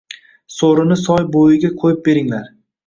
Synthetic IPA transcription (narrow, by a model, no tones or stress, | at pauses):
soɾɪnɪsɒjbojɪɡʲaqʰojɪp̚be̞ɾɪŋlaɾ